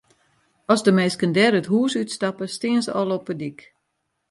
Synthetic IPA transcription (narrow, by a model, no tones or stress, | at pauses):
ɔsdəmɛːskəndɛɾətɦuːsytstapəstɪənsəʔɔlˠɔpədik